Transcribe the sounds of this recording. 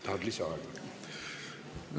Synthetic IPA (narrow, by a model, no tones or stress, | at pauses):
d̪̥ad̪lisaɾ